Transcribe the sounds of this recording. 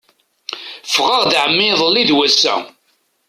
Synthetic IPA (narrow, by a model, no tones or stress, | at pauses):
fʁəʁðʕəmːɪðˤəlːiðwæsːæ̰